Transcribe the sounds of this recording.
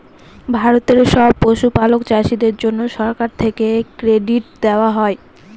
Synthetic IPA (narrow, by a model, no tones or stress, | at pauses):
bʱaɾot̪eɾʃɔb̚poʃupalokt͡ɕaʃid̪eɾd͡ʑonːoʃɔɾkaɾt̪ʰekekɾeɖiʈ̚d̪eoaɦɔe